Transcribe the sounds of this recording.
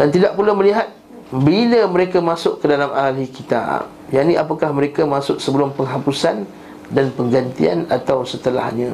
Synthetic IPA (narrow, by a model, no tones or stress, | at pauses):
d̥ant̪idaʔ̚pulamə̃liɦat̪̚ | biləməɾekamãsʊʔkːədalamʔalikit̪a̰p̚ | jaʔniʔapakahməɾekamãsʊʔ̚səbəlʊmpəŋɦapusan | danpəŋɡant̪ḭa̰nat̪awsət̪əla̰hɲã